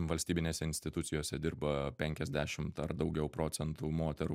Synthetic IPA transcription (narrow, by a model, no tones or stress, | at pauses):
ʋɐlʲsʲt̪ʲiːbʲɪnʲeːsʲɛɪnʲsʲt̪ʲɪt̪ʊt̪sʲɪjoːsʲɛd̪ʲɪɾbɐpʲɛŋʲkʲɛzʲd̪ʲæːʃʲɪmt̪ɐɾd̪ɒʊɡʲɛʊpɾoːt̪sʲɛnt̪uːmoːt̪ʲɛɾu